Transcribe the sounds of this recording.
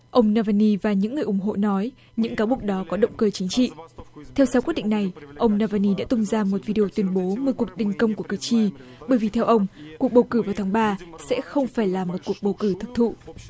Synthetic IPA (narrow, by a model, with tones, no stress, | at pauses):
ʔə˧wŋ͡mnaː˧vaː˧ni˧vaː˨˩ɲɨ̰˧˥ŋːɨ˨˩əjʔʊ˧˩ŋ͡mɦo̰˧˨nɔ˨˦j | ɲɨ̰˧˥ŋkaː˨˦wɓu˨˩ək̚ɗɔ˨˦kɔ˨˦ɗə̰˧˨wŋ͡mkəː˧t͡ɕï˨˦ŋ̟t͡ɕḭ˧˨t̪ʰɛ˧wsaː˧ki˦˥t̚ɗḭ˧˨ŋ̟na˨˩jʔə˧wŋ͡mnaː˧vaː˧ni˧ɗa̰ː˧˥t̪ʊ˧mzaː˧mo˨t̚vi˧ɗe˧o˧t̪wi˨˦ənɓo˨˦mɨː˧˩ku˨˩ək̚t̪ï˨˩ŋ̟kə˧wŋ͡mku˧˩kɨː˨˩t͡ɕi˧ɓəː˨˩jvi˨˩t̪ʰɛ˧wʔə˧wŋ͡mku˨˩ək̚ɓə˨˩wkɨ˧˩vaː˨˩wt̪ʰaː˨˦ŋɓaː˧sɛ̰˧˥xə˧wŋ͡mfaː˧˩jlaː˨˩mo˨˩t̚ku˨˩ək̚ɓə˨˩wkɨ˧˩t̪ʰə˨˩p̚t̪ʰṵ˧˨